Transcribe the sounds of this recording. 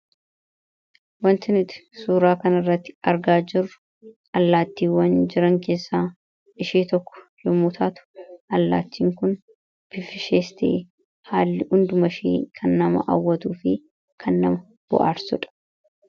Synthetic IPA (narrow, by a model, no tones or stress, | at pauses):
wɐnt̪ɪnɪt̪ɪ̥suːɾaːkɐnɪrːɐt̪ːɪ̥ɐɾɡaːd͡ʒɪrʊ | ʔɐlːaːt̪ːiːwːɐnd͡ʒɪɾɐŋke̞ːsːaː | ɪʃiːt̪ɔkːɔ̥jɔmʊt̪ʰaːt̪ʊ̥ʔɐlːa̰ːt̪ːiːŋkʊn | b̥ɪfɪʃeːst̪ḛː | haːlːɪhʊnd̪ʊmɐʃḛːkʰɐnːɐmɐ̰ʔa̰wːɐt̪uːfɪ | kʰɐnːɐmɐ | b̥ɔ̰ʔa̰ːɾsʊᶑɐ̥